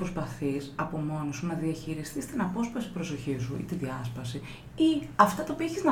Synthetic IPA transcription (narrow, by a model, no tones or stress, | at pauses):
pɾospɐθisɐpo̞mo̞nosunɐðiɐçiɾist̪ist̪inɐpo̞spɐsi̥pɾo̞so̞çisuḭt̪iðiɐspɐsi | iɐft̪ɐt̪ɐopieçiznɐ